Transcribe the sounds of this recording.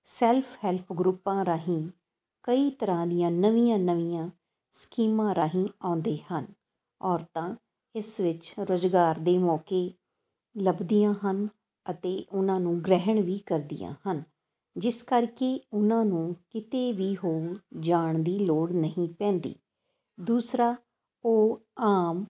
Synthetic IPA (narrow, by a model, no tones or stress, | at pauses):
sɛːlpʰhɛːlpʰɡɾuːpːãːɾaːɦĩː | kəiːt̪əɾãːd̪ɪjãːnəʋĩjãːnəʋijãː | skiːmãːɾaːɦĩːãːnd̪eːhən | ɔːɾt̪ãː | ɪsʋɪt͡ʃɾoːzɡaːɾd̪eːmɔːkeː | ləbd̪ijãːɦən | ət̪eːʔʊnãːnũːɡɾɛɦəɳʋiːkəɾd̪ḭjã̰ːhən | d͡ʒɪskəɾkeːʊnãːnũːkɪt̪eːʋiːɦoːd͡ʒaːɳd̪iːloːɽnəɦĩːpɛ̃ːnd̪ḭː | d̪uːsɾaː | oːaːm